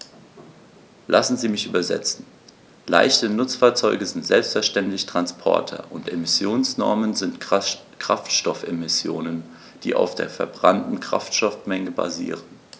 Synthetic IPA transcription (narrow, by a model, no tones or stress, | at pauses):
lʔa̰sn̩ziːmɪçʔyːbɐzɛ̰t͡sn̩ | la̰ɪçtənʊt͡sfaːɐt͡sɔʏɡəzɪntz̥ɛlpstfɛɐʃtɛntlɪçtʁ̥anspʰɔ̰ɐtʰɐ̰ʔʊntʔemɪsjoːnsnɔɐmənzɪnt | kʁ̥aftʃtɔfemɪsjoːnən | d̥ḭːʔa̰ʊfd̥ḛːɐfɛɐbʁantn̩kʁ̥a̰ftʃɔfmɛŋəba̰zḭːʁən